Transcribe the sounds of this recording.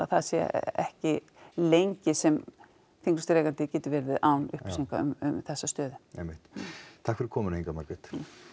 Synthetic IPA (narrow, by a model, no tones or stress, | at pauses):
aθaðsɛ̰ɛ̰hcɪ | lejɲcɪsɛm | θiŋkʏst̪ɾɛjkant̪ɪcɛːt̪ʏɾvɛːɾvɪðawnʏ̰hpsiŋkaʏ̰mʏ̰mθɛsːast̪œːðʏɛ̰mɪht̪t̪ʰahkfɪɾɪɾkʰɔːmʏnheŋkamaɾkɛt̪